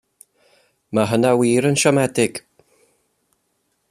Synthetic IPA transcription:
maɦənawiːɾənʃɔmɛdɪɡ̥

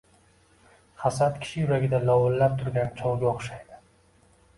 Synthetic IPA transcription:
χasat̪kʲʰɪ̥ʃɪjʊɾaɡʲɪd̪alɒwɨllːap̚t̪ʰʊɾɡʲant͡ʃʰɒwɡʲaoχʃajd̪ɪ

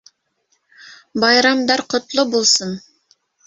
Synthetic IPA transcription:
bɑjɾɑmd̪ɑɾqʰŏt̪lˠʊbulˠsɤn

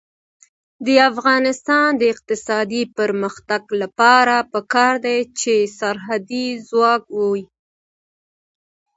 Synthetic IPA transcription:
d̪əafɣɑnɪst̪ɑnd̪əɪq̚t̪ɪsɑd̪ipəɾməxt̪aɡlapɑɾapəkɑɾd̪ajt͡ʃesaɾɦad̪izwɑk̚wowi

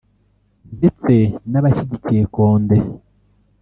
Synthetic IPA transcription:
ndet͡se̞naβaʃiɟiciɾekoːnde

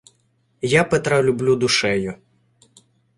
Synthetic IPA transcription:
japɛt̪ɾɐlʲʊblʲud̪ʊʃɛjʊ

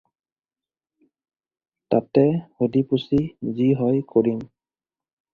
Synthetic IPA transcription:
tatɛhodipusiziɦɔjkoɹin

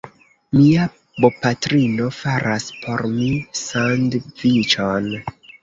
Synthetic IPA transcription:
mia | bo̞patɾino̞faɾʔaspʰo̞ɾmisandvit͡ʃon

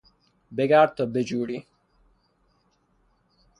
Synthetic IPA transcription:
beɡaːɾt̪ɔbed͡ʒuːɽi

